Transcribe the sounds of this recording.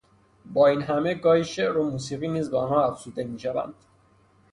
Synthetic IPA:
bɒːiːnɦæme̞ɡɒːhiʃeʔɾomuːsiːɣiːniːzbeɒnhɒːæfz̥uːd̪e̞miːʃævæ̰nd̪̥

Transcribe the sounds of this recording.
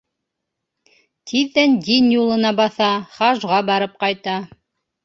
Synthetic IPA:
t̪ʰiðːænd̪injulˠɤ̆nɑbɑθɑχɑʒʁɑbɑɾɤp̚qɑjt̪ɑ

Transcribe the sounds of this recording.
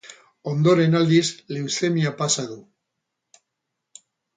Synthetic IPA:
o̞nd̪o̞ɾe̞nald̪izlewsemiapasaðu

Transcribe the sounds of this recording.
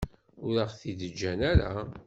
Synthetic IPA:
ʊɾəʁθiðəd͡ʒːænæɾa̰

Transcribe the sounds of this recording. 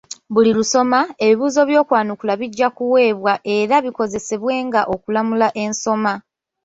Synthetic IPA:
βuliɾuso̞mae̞βiβuːzo̞βjo̞ːkwaːnukulaβiɟːakuwe̞ːβwaʔe̞ɾaβiko̞ze̞se̞βwe̞ːŋɡaʔo̞kulamulaʔe̞nso̞ma

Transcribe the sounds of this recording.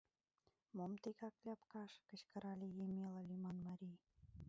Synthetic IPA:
momt̪ekɑklʲɑpkɑʃkə̆t͡ɕkə̆ɾɑlʲejemʲelɑlʲimɑnmɑɾʲij

